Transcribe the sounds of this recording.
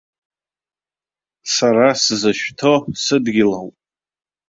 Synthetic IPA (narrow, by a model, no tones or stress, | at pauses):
saɾasɨzaʃᶣtʰo̞sɨdɡʲɪlawpʼ